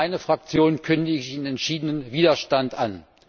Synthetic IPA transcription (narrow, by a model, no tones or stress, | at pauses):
ɪnəfʁ̥ak̚t͡sjoːnnkʰʏndəɪçɪnɛntʃiːdənənviːdɐʃtantʔa̰n